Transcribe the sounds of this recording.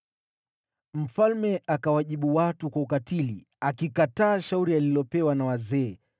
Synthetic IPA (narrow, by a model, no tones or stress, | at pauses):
m̩falmɛʔakawaʄiɓuwatukwaukatili | akikataːʃauɾialilɔpɛwanawazɛː